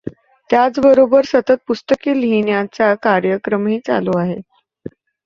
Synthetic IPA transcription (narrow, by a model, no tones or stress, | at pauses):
t̪jat͡sbəɾobəɾsət̪ət̪̚pust̪əkiːlɦinjat͡sakaɾjəkɾəmɦiːt͡sa̰loaɦe